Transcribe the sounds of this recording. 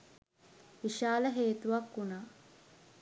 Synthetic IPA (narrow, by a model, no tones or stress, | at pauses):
ʋiʃaːləɦeːt̪uʋakːunaː